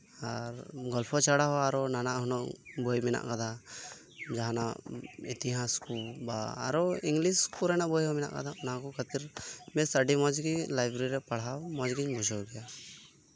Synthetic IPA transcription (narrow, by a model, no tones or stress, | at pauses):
aɾɡɔlpʰɔt͡ʃaɽaɦɔaɾɔnanaʔhɔnɔʔbɔjmɛna̰ʔkad̪a | d͡ʒaɦana̰ʔit̪iɦãskulbaa̰ɾɔiŋɡlisskulɾanaʔbɔjɦɔmɛna̰ʔka̰d̪anaɦãkɔkʰət̪iɾmɛsaɖimɔd͡ʒɡilajbɾiɾɛpaɽ̤awmɔd͡ʒɡiɲmɔd͡ʒɔɡɛja